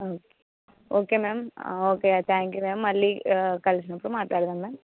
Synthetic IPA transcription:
oːke̥ | oːkeːmeːmoːket̪ʰaːŋkjuːmeːmːɐlːikɐlsɐnɐpːɽũmaːʈlaːɾðaːmeːm

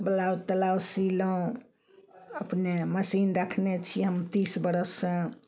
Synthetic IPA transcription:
bəlaut̪əlawsiləũ | əpneməsinɾəkʰnet͡ʃʰiɦəmt̪isbəɾəsːə̃

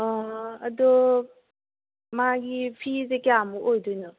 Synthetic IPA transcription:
ɐdɔ | maɡipʰizekijamuʔojdujnɯ

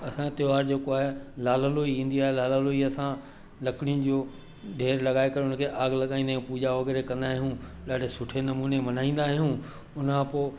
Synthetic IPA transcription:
ɐsãt̪ɪjʋaːɾd͡ʑeːkoaːɦelaːləloːiĩːn̆d̪iaːɦelaːlaːloiɐsã | lɐkɪɽ̃ijʊn̆d͡ʑoː | ɖʱeːɾlɐɠaːekɐɾeʊnkʰeʔaːɡlɐɠaːĩːnd̪aːɦjũpuːd͡ʑaʋɐɡɛːɾekɐ̃nd̪aːɦijũɗaːɖ̤ʱesʊʈʰenɐmuːnemɐnaːĩːn̆d̪aːɦijũ | ʊnkʰãpoː

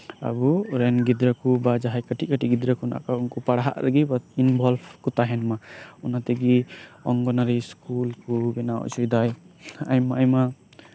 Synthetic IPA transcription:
a̰buɾɛnɡid̪ɾakubad͡ʒaɦajkəʈʰiʔ̚kəʈiʔɡid̪ɾakuna̰ʔkaunkɔpaɽaɦa̰ʔɾaɡibainbʱɔlbʰkɔt̪aɦɛnmaunat̪ɛɡiɔŋɡɔnaɾiskulkubɛnaw̰ʔt͡ʃujd̪ajajmaajma

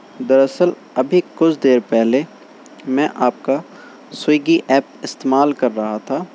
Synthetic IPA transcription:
d̪ɐɾɐsəl | ɐbʱikʊt͡ʃʰd̪eːɾpɛɦle | mɛ̃ʔaːp̚ka | swiiːɡiʔɛːp̚ɪst̪eːmaːlkɐɾːɐɦat̪ʰaː

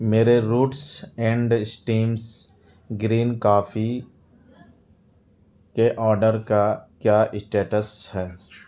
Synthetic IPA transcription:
meːɾeɾuːʈsɛ̃ːɳɖsʈiːms | ɡɾiːnkaːfʰi | keʔɔːɾɖəɾkakjaːʔɪsʈeːʈəsɦɛː

